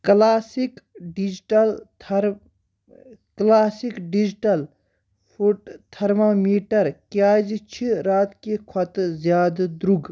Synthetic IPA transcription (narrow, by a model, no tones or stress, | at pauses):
klaːsikɖid͡ʒʈɐlt̪ʰɾ | klaːsikɖid͡ʒʈɐl | pʰuʈt̪ʰɐɾmaːmiːʈɐɾkjaːd͡ʒt͡ʃʰiɾaːt̪kekʰɐt̪zjaːd̪d̪ɾuɡ